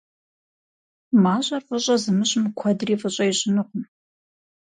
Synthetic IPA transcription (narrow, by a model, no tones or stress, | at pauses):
maːɕʼɐrfʼəɕʼɐzɨmɨɕʼmɨkʷʰɐdriːfʼəɕʼɐjɕɪnɨʁʷʊm